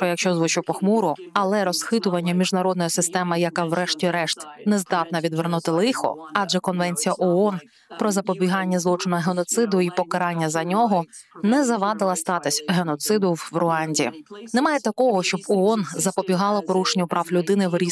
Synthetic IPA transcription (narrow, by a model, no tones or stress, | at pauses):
pɾɔjɐkʃt͡ʃɔzʋʊt͡ʃʊpɔxmuɾʊɐlˠɛɾɔsxɪt̪ʊʋɐnʲːɐmʲiʒnɐɾɔd̪nɔjisɪst̪ɛmɪjɐkɑwɾɛʃtʲiɾɛʃt̪nɛzd̪ɑt̪nɐʋʲid̪ʋernut̪ɪlˠɪxɔ̰ɑd͡ʒɛkɔnʋɛnʲt͡sʲijɐʔɔɔn | pɾɔzɐpɔbʲiɦɑnʲːɐzlˠɔt͡ʃɪnɔɦenɔt̪sɪd̪ʊipɔkɐɾɑnʲːɐzɐnʲɔɦɔnɛzɐʋɑd̪ɪlˠɐst̪ɑt̪ɪsʲɦenɔt̪sɪd̪ʊwʋrʊɑnʲdʲḭnemɑjet̪ɐkɔɦɔʃt͡ʃɔbɔɔnzɐpɔbʲiɦɑlˠɐpɔɾuʃenʲʊpɾɑwlʲʊd̪ɪnɪʋɾʲi